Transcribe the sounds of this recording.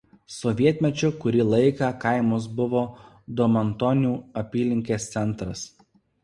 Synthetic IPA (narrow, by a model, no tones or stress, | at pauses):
sɔʋʲiɛt̪ʲmʲɛt͡ʃʲʊkʊɾʲilˠɐɪkɑkɐɪmos̬bʊʋoː | d̪ɔmɐnt̪ɔnʲuːɐpʲiːlʲɪŋʲkʲeːst̪sʲɛnˑt̪ɾɐs